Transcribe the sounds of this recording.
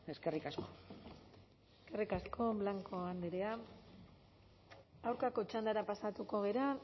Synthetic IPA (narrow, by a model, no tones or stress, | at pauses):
eskerikasko | eske̞rikaskʰo̞βlaŋko̞and̪eɾea | awɾkako̞t͡ʃand̪aɾapasat̪uko̞ɣ̞e̞ɾa